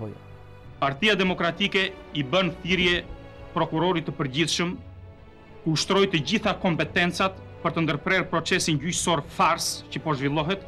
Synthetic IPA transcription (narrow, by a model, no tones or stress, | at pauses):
paɾt̪iad̪ɛmɔkɾat̪ikɛ | ibənθiɾjɛ | pɾɔkuɾɔɾit̪əpəɾd͡ʑiθʃəm | kuuʃt̪ɾɔjt̪əd͡ʑiθakɔmpɛt̪ɛnt͡sat̪ | pəɾt̪ənd̪əɾpɾɛɾpɾɔt͡sɛsinɟycsɔɾfaɾscəpɔʒvilˠɔɦɛt̪